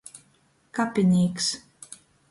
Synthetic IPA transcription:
kapʲinʲiːks

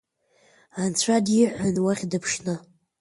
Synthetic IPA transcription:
ant͡sʷʰadiħʷanwaχʲdɨpʰʂnɨ

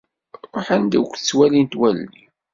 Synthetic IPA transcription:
ɾˤoħænd̪ækʷːθət͡sːwælint̪wælːi

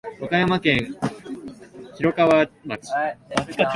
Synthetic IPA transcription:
okajamakẽ̞ɰ | çiɾo̞kaβamaki̥

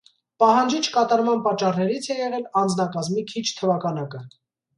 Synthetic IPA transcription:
pɑɦɑnd͡ʒit͡ʃʰkɑt̪ɑɾmɑnpɑt͡ʃːɑrnɛɾit͡sʰɛjɛʁɛlɑnd͡znɑkɑzmikʰit͡ʃʰt̪ʰəvɑkʰɑnɑkə

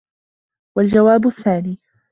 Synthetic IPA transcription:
wald͡ʒawaːbʊθːaːniː

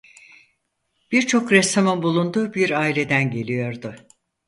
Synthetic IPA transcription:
b̥iɾt͡ʃʰo̞kɾɛst̪ʰamɯnbulˠund̪uːbiɾaːilʲe̞d̪ænɟe̞lʲijo̞ɾd̪ʊ

